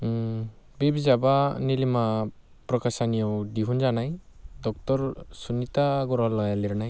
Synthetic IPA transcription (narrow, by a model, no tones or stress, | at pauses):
bibizabanilima | pɾɔkasanijɔwdiɦunzanajdɔk̚tɔɾsunitaɡɔɾɔlɔjaliɾnaj